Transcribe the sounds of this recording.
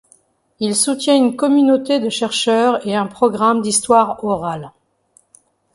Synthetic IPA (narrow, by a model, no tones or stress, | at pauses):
ilsut̪jɛ̃ynkɔmynot̪ed̪əʃɛʁʃœʁeɛ̃pχɔɡʁamd̪ist̪waʁɔʁal